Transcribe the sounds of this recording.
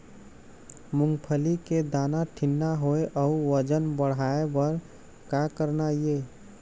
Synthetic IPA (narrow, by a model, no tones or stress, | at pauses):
muŋɡpʰəliked̪anaʈʰinːaɦoeʔəuwəd͡ʒənbəɽaebəɾ | kakəɾnaje